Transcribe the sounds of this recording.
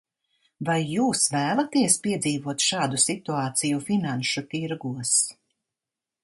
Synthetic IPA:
vajːuːsvæːlˠat̪iɛspiɛd̪ziːvuɔt̪ʃɑːd̪usit̪uɑːt̪sijufinanʃut̪iɾɡuɔs

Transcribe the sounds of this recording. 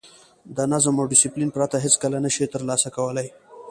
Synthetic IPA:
d̪ənazamawɖɪsiplinpɾat̪aɦɪt͡skəlanəʃit̪əɾlɑsakawəlaj

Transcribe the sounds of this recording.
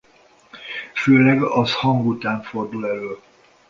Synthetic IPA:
føːlɛɡɒshɒŋɡut̪aːɱfo̞rd̪ulɛløː

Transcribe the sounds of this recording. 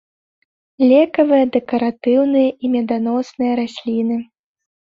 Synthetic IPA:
lʲɛkɐvɨjɐd̪ɛkɐɾat̪ɨwnɨjɐʔimʲɛd̪anɔsnɨjɐɾasʲlʲinɨ

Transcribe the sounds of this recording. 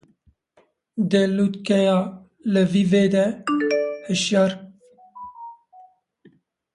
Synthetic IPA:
d̪ɛlut̪kɛjɑː | ləviveːd̪ɛ | həʃɛɾ

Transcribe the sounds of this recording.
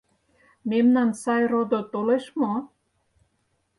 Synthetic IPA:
memnɑnsɑjrod̪ot̪oleʃmo

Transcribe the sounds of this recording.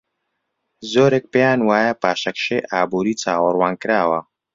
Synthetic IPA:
zoːɾeːk̚pejaːnwaːjɐpaːʃɐkʃḛjʔaːbuːɾiːt͡saːwɐrwaːnkɨɾaːwɐ

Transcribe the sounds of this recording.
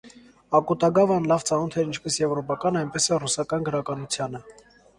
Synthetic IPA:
ɑkut̪ɑɡɑvɑnlɑvt͡sɑnɔt̪ʰɛɾint͡ʃʰpɛsjɛvɾɔpɑkɑnɑjnpɛsɛrusɑkɑnɡəɾɑkɑnut͡sʰjɑnə

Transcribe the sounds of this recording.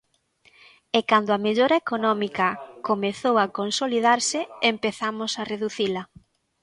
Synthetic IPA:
ekand̪ʊameʎoɾɐekonɔmikɐkomeθowakonsoliðaɾsɪempeθamosareðuθilɐ

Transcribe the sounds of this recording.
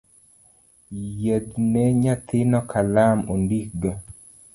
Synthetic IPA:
jed̪neɲat̪ɪnɔkʰalamondiɡa

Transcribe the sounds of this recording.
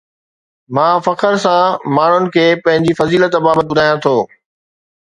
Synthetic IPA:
mãːfɐkəɾsãmaːɳ̤ʊnɪ̆kʰeːpɐ̃ɦɪ̃ɲd͡ʑifɐziːlət̪baːbət̪̚bʊd̪ʱaːjãt̪ʰoː

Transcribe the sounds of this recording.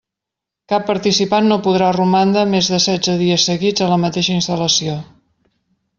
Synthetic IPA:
kapːəɾt̪isipanːopuð̞ɾarumand̪əmezðəsɛd͡zəðiəsːəɣid͡zələmət̪eʃəinst̪ələsio

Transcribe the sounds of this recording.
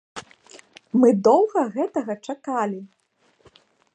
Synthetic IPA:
mɨd̪ɔwɣɐɣɛt̪ɐɣɐt͡ʂakalʲi

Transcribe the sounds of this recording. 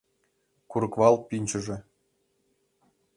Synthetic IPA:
kuɾɤ̆kvɑlˠpʲinʲt͡ɕɘ̆ʒĕ

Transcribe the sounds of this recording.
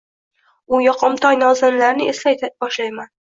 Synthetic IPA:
ʊjɒqʰɨmt̪ʰɒjnɒzɪnlaɾnɪeslajt̪ʰabɒʃlajman

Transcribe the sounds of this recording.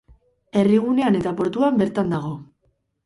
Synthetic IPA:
e̞riɣ̞une̞ane̞t̪apo̞ɾt̪uambe̞ɾt̪and̪aɣ̞o̞

